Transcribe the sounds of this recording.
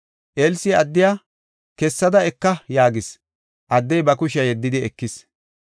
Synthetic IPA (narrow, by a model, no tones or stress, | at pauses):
ʔeːlsɪɐd̪ːɪjaː | kɛsːɐd̪ɐɛkːɐjaːɡɪs | ʔɐd̪ːɛjbɐkʊʃɐjɛd̪ːɪd̪ɪɛkːɪs